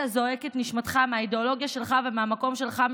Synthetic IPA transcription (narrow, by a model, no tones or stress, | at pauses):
azo̞eket̪niʃmat̪χameaideolo̞ɡjaʃe̞lχavemeamako̞mʃe̞lχam